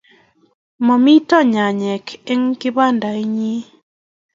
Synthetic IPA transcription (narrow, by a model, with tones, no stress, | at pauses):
mɔ˨mi˦tɔ˦ɲa˨ɲɛ˨kʰe˦ŋkɪ˦ba˦nda˨i˦ɲi˦